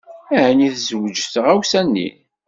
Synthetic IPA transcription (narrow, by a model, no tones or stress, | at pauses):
æʕniθzəwəd͡ʒəθəʁæwsænːḭ